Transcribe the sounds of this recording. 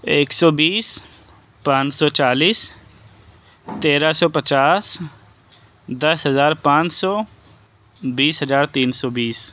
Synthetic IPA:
eːksɔːbiːs | pãːt͡ʃsɔːt͡ʃaːliːs | t̪eːɾasɔːpət͡ʃaːs | d̪ɐsɦəzaːɾpãːt͡ʃsɔː | biːsɦəzaːɾt̪iːnsɔːbiːs

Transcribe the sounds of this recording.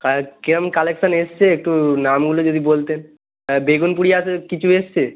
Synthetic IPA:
kakeɾomkaleksanest͡ɕʰeek̚ʈunamɡulod͡ʑod̪ʱibolt̪en | beɡunpuɽijaasʰekit͡ɕʰuest͡ɕʰe

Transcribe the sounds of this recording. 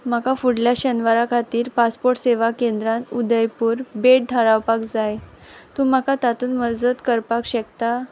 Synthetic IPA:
makafuɽljaɕənʋaɾakʰat̪iːɾpaspoɾʈseʋakend̪ɾãnud̪əjpuːɾbeʈ̚ʈʰəɾawpakd͡zaj | t̪ũmakat̪at̪uːnməd͡zət̪kəɾpakɕəkt̪a

